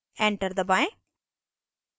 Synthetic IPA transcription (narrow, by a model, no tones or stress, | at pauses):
ɛ̃ɳʈəɾd̪əbãɪ̃